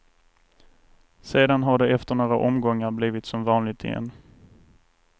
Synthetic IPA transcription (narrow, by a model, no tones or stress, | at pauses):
seːd̪anɦaɖɛɛft̪əɳoːɾaʔɔmɡɔŋːaɾbliːvɪt̪sɔmvɑːnlɪɡ̚t̪ʰɪ̰ɛ̰nː